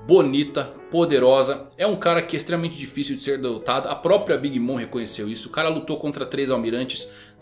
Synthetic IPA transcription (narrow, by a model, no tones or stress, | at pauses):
bonit̪ɐ | pod̪eɾɔzɐɛũkaɾɐkɪɛst̪ɾemɐmẽnt͡ʃɪd͡ʒifisiwd͡ʒɪseɾd̪elot̪ad̪ɐɐpɾɔpɾiɐbiɡimõw̃hekõɲesewisʊkaɾɐlut̪owkõnt̪ɾɐt̪ɾejzawmiɾɐ̃nt͡ʃɪ̥s